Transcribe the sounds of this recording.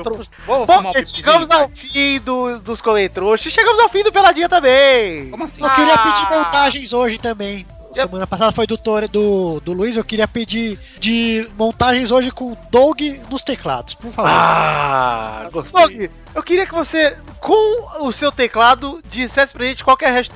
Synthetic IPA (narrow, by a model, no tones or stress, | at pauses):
t̪ɾo | bobɐ̃ẽʃeɡɐ̃mʊzawfiĩd̪ʊd̪ʊskolẽt̪ɾoʃʊɪʃeɡɐ̃mʊzawfĩd̪ʊpelad͡ʒĩɐt̪ɐ̃mbẽomɐsewkɪɾiɐpid͡ʒiɾmõnt̪aʒẽj̃zoʒɪt̪ɐ̃mbẽj̃ | semɐ̃nɐpasad̪ɐfojd̪ʊt̪oɾd̪ʊd̪ʊluizewkɪɾiɐpid͡ʒi | d͡ʒɪmõnt̪aʒẽj̃zoʒɪkõd̪oɡɪnʊst̪ekla̰d̪ʊspoɾfavao̰ | ɡosd̪oɡɪ | ewkɪɾiɐkɪvose | kõʊsewt̪eklad̪ʊd͡ʒisɛsɪ̥pɾɐʒẽt͡ʃɪ̥kwawkɛɾhɛʃ